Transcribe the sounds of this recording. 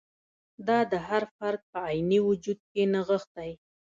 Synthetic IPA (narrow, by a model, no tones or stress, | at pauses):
d̪ɑd̪əɦaɾfaɾk̚pəajniwʊd͡ʒud̪̚kenaɣəxt̪aj